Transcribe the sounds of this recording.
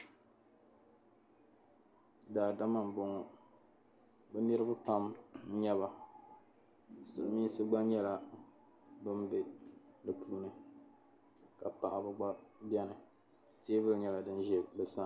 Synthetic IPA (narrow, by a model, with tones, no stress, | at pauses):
daː˨da˦ma˨m˨bo˨ŋɔ˨ | bɛ˦nɨ˦ɾɨ˦ba˦pa˦m˦ɲɛ˦βa˨ | sɨ˨lmiː˦sɨ˦ɡ͡ba˦ɲɛ˦la˨ | bɨ˦mbe˨dɨ˨pʰuː˦nɨ˨ | ka˨pa˨ʔa˨bɨ˨ɡ͡ba˦bjɛ˦nɨ˨ | teː˦bɨ˦lɲɛ˦la˨dɨ˦nʒɛ˨bɨ˨sa˦